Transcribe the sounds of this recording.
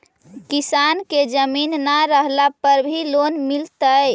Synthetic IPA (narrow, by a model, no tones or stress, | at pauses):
kisanked͡ʒəminːaɾəɦlapəɾbʱilonmilt̪əj